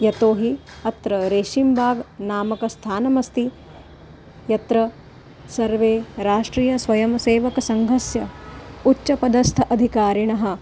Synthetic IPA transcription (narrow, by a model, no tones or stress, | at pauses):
jɐt̪oːɦi | ɐt̪ɾɐɾeːʃimbʱaːɡnaːmɐkɐst̪ʰaːnɐmɐst̪i | jɐt̪ɾɐ | sɐɾʋeːɾaːʂʈɾiːjɐsʋɐjɐmseːʋɐkɐsɐŋɡʱɐsjɐutːʃɐpɐd̪ɐst̪ʰʔɐd̪ʱikaːɾiɳɐɦɐ̆